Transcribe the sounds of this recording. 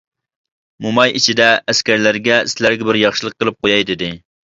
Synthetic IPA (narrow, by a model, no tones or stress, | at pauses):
mumɑjʔit͡ʃʰid̪ɛːskʲæɾlæɾɡʲɛsɪlæɾɡʲɛbɪɾjɑχʃɨlˠəqːəlˠɨp̚qojɑjd̪ɪd̪ɪ